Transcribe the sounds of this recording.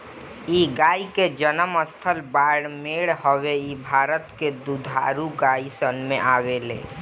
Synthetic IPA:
iɡaːiked͡ʒənəməst̪ʰəlbaːɽmeɽhəweibʱaːɾət̪ked̪ud̪ʱa̰ɾuɡaːisənmẽʔaːwelḛ̃ː

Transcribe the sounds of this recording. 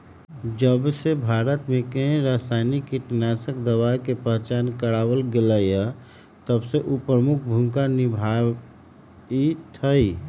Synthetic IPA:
d͡ʒəbsebʱaɾət̪mekəɦɾasaɪnikːiʈnasək̚d̪əʋajkepəɦt͡ʃankəɽabəlɡeləjə | t̪əbseʔupɾəmukʰbʱumkanibʱa | it̪ʰəj

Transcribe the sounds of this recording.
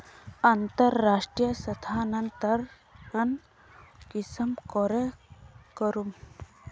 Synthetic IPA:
ɐnt̪əɾːaʂʈɾijəsət̪ʰanɐnt̪əɾ | ɐn | kisəmkɔɾekəɾum

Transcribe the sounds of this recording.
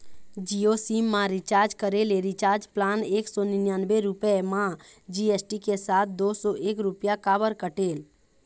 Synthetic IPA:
d͡ʒiosimːãɾit͡ʃaːɾd͡ʒkəɾeleɾit͡ʃaːɾd͡ʒplaːneːksɔnɪnjanbeɾupɛmãd͡ʒiesʈikesat̪̚ʰd̪oːsɔʔeːkɾupjakaːbəɾkəʈeːl

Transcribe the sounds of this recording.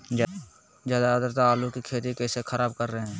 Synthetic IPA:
zjaːd̪aəd̪əɾt̪aːlukikʰeːt̪ikɛːsekʰəɾaːbkəɾːəɦeɦɛ̃ː

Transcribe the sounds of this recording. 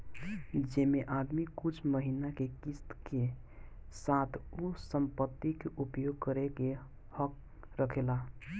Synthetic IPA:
d͡ʒemeʔad̪mikut͡ʃʰməɦinakekist̪ke | sat̪ʰusəmpət̪ːikeʔupjoɡ̚kəɾeke | hək̚ | ɾəkʰela

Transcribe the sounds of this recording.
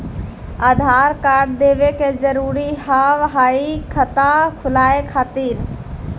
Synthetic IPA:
aːd̪ʱaːɾkaːɾɖ̚d̪eːʋekezəɾuːɾiɦaːʋɦaːikʰət̪akʰʊlaːekʰaːt̪iːɾ

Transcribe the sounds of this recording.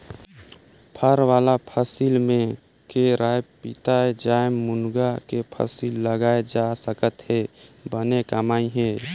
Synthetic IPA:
pʰəɾwaːlapʰəsilmẽ | keɾaːjpɪt̪aed͡ʒaːjmmːʊnɡakepʰə̰silːəɡaːed͡ʒasəkət̪hebənekəmaːiɦɛ̃ː

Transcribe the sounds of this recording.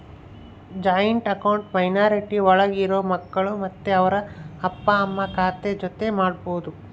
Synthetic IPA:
d͡ʒaːjɐɳʈɐkɐwɳʈpɐjnaːɾiʈiɔɭɐɡiɾoːmɐkːɐɭumɐt̪ːeɐʋɐɾɐːpːɐːmːɐkaːt̪ed͡ʒot̪e̞maːɖ̚boːd̪u

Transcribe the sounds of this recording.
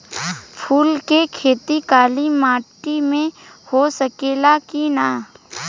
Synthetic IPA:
pʰuːlkekʰeːt̪ikaːlimaːʈimẽ | hosəkeːlakina

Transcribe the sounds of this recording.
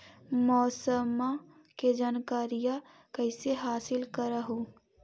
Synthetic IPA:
mɔːsəma | ked͡ʒaːnkaːɾija | kɐɪseɦaːsɪlkəɾəɦo

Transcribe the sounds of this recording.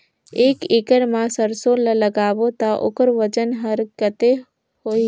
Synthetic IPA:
eːkɪkəɾmãsəɾsoːlələɡaːʋot̪aʔʊ̰kəɾʋəd͡ʒənɦəɾkət̪e | hoːi

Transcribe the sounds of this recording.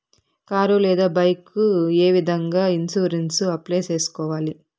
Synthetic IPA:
kaːɾoːlɛːd̪aːbɐjkueːʋid̪ʱɐŋɡaːinsuːɾensuɐpleːt͡ʃeːsu̥kɔːʋaːli

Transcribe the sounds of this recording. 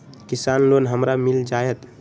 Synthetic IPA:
kisaːnlonɦəmɾamild͡ʒajet̪

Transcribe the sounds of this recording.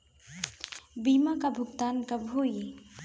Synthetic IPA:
biːmakabʱʊɡt̪aːnkɐbʱoːj

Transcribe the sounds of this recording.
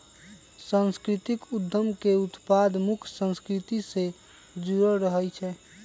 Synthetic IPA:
sənskɾit̪ikud̪ʱːəmkeut̪pad̪mukʰsə̃nskɾit̪ise | d͡ʒuɾəɾəɦəlt͡ʃʰɛ

